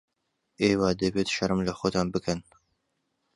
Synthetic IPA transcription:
eːwɑːd̪əbeːt̪ʃɐɾɨmlɐxot̪ʰɑːnbɨkʰɐn

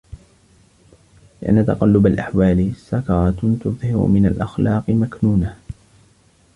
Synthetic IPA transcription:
lɪʔa̰nːat̪ɑ̰qɑlːʊbalʔaħwaːlɪsakɑɾˤɑt̪ʊ̰ðˤhɪɾʊ̰mɪnalʔɑxlɑːqɨmaknuːna

